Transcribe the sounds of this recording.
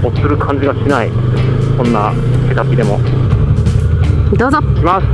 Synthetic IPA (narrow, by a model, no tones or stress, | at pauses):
o̥sɨɾɯ̟kʰãɲ̟d͡ʑiɡaɕinai | kõ̞nːa | ket̪akʲid̪e̞mo̞̰ | d̪oːzokʲimas